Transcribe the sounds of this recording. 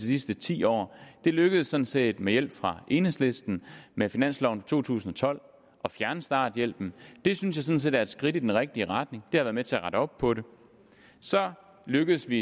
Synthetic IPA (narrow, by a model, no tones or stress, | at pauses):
isisd̥ət͡sʰḭːɒ̰ːd̥e̝løɡ̥əð̞̩ˠsːɒ̽n̩se̝̰ːd̥mejel̰b̥fʁɑ̈ʔe̝nesle̝sd̥n̩mefinæn̰slɒʊn̩fɑt͡sʰo̝̰ːt͡sʰṵːsn̩ɒ̽t͡sʰɒ̽l̰ | ʔɒ̽fjæɐnəsd̥ɑ̰̈ːd̥jel̰b̥n̩d̥e̝synsjɑ̈sɒ̽n̩se̝̰ːdæɐed̥sɡ̥ʁid̥id̥enʁeɡ̥̚d̥iəʁɑd̥ne̝ŋd̥e̝hɑʋæɐðˠmet͡sʰe̝æʁɑ̈ɾ̥əɒ̽b̥pʰɒ̽ɾe̝ | sɒ̽ | løɡ̥əðˠəsʋi